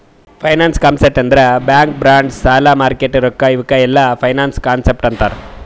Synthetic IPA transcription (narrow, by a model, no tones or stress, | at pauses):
pʰɐjnaːnskaːnsep̚ʈɐnd̪ɐɾebjaːŋk̚bɾaːɳɖsaːlaːmaːɾkeʈːiɾɔkːaiʋɐkːɐɛlːɐpʰɐjnaːnskaːnsep̚ʈɐnt̪aːɾe